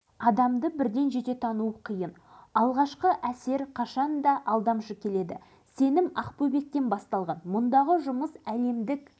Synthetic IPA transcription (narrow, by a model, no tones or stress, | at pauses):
ɑd̪ɑmd̪əbɪɾd̪e̞nʒe̞t̪e̞t̪ʰɑnuəqʰijən | ɑlˠʁɑʃqəʔæse̞ɾqʰɑʃɑnd̪ɑʔɑlˠd̪ɑmʃəkʲʰe̞le̞d̪ɪ̰ | se̞nɪmɑqpobe̞k̚t̪e̞nbɑst̪ɑlˠʁɑnmʊnd̪ɑʁəʒʊməsæle̞md̪ɪk